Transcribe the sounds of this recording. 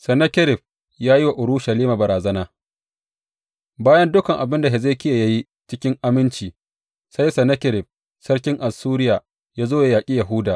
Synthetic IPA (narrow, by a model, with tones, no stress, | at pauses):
sɛ˨nɐ˦kʲɪ˦ɾɪ˨b̚ | jaː˦ji˦wa˨ʔʊ˨ɾʊ˦ʃɐ˨liː˦ma˨bɐ˨ɾaː˨zɐ˦naː˦ | baː˦jɐ˦ndʊ˦kɐ˨ŋʔa˨bɪ˦nda˨ɦɛ˨ze˦˨kʲɪ˦ja˨ja˦ji˦ | t͡ʃɪ˦kʲɪ˦ŋʔa˦mɪ˦nt͡ʃiː˨ | sa˦jsɛ˨nɐ˦kʲɪ˦ɾɪ˨b̚ | sɐ˦rkʲɪ˦ŋʔa˨suː˦ɾɪ˦jaː˨ | jaː˦zoː˦ja˨jaː˨kʲʼiː˦jɐ˨ɦʊ˦daː˨